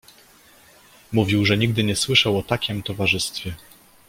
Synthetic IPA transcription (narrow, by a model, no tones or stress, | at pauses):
muvʲiwʐɛɲiɡ̚d̪ɘɲɛswɘʂawɔt̪akʲimt̪ɔvaʐɘst̪fʲjɛ